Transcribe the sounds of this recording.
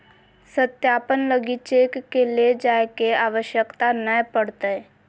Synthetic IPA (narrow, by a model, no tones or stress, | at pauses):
sət̪jaːpənləɡit͡ʃeːkːeled͡ʒaːekeaːʋəʃjəkt̪anəpəɽt̪eɛ